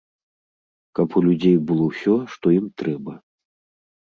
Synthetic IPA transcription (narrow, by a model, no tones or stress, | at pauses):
kɐpulʲud͡zʲejbɨlˠɔwsʲɔʂt̪ɔjimt̪ɾɛbɐ